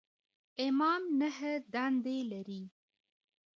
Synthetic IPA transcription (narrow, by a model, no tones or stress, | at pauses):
ɪmɑmnəɦəd̪and̪elaɾi